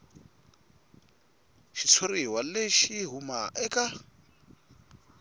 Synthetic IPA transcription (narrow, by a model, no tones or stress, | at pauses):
ʃit͡sʰoriwaleʃiɦumaʔɛka